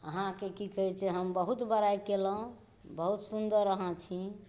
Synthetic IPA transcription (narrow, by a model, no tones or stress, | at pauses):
əɦãkekikəɦɛt͡ʃʰɛɦəmbəɦut̪bəɾajkelə̃ | bəɦut̪sund̪əɾːəɦãt͡ʃʰi